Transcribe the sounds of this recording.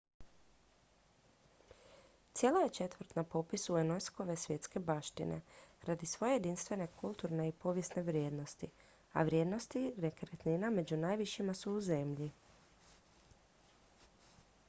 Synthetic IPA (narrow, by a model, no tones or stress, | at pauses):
t̪sje̞laje̞t͡ʃe̞t̪ʋɾ̩t̪napo̞pisuenojsko̞ʋe̞sʋje̞t̪ske̞baʃt̪ḭnḛɾad̪isʋo̞je̞jed̪inst̪ʋe̞ne̞kʰulˠt̪uɾne̞ipo̞ʋje̞sne̞ʋɾje̞ːd̪no̞st̪i | a̰ʋɾjed̪no̞st̪iɾekɾet̪niname̞d͡ʑunaːjʋiʃimasuuze̞mʎi